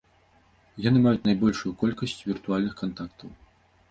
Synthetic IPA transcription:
janɨmajut͡sʲnajbɔlʲʂujukɔlʲkɐsʲt͡sʲvʲirt̪ualʲnɨxkant̪akt̪ɐw

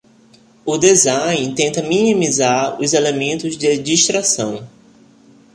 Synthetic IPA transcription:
ʊd̪ezãj̃t̪ẽnt̪ɐmĩnĩmizaɾʊ̰zelemẽnt̪ʊzd͡ʒɪd͡ʒiʃt̪ɾasɐ̰̃w̃

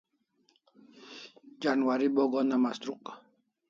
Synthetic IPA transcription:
d͡ʒanwaɾibɔɡɔnamast̪ɾuk̚

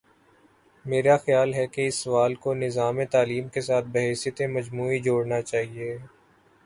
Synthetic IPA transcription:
meːɾaxjaːlɦɛkeɪsːɐʋaːlkonɪzaːmẽt̪aːliːmkesaːt̪̚ʰbɐɦɛːsijət̪ẽmɐd͡ʒmuːid͡ʒoːɽnat͡ʃaːɦieː

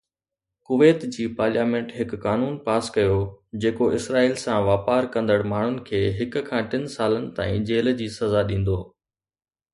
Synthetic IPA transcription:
kʊʋeːt̪d͡ʑiːpaːɾljaːmẽːɳʈɦɪkːaːnuːnpaːskɐjod͡ʑeːkoʔɪsɾaːiːlsãʋaːpaːɾkɐ̃nd̪əɽmaːɳ̤ʊnɪ̆kʰeːɦɪkʊ̆kʰãːʈɪnsaːlənɪ̆t̪a̰ːĩːd͡ʑeːld͡ʑiːsɐzaɗĩːn̆d̪oː

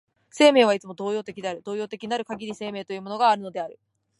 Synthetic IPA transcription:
se̞ːme̞ːβ̞ait͡sɨmo̞d̪o̞ːjo̞ːt̪e̞kʲid̪e̞aɾɯ̟d̪o̞ːjo̞ːt̪e̞kʲiɲinaɾɯ̟kaɡʲiɾʲise̞ːme̞ːt̪ojɯ̟ːmo̞no̞ɡaːɾɯ̟no̞d̪e̞aɾɯ̟

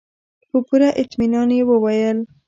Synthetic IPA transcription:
hupuɾaʔɪt̪minɑnewəwajəl

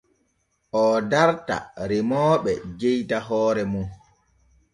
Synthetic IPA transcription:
ʔɔdaɾta̰ɾimɔːɓɛd͡ʒejtaɦɔːɾɛmu

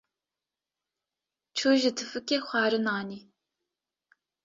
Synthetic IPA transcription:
t͡ʃʰoːʒɪtʰɨfɨkʲʼeχʷɑːɾɨnaːniː

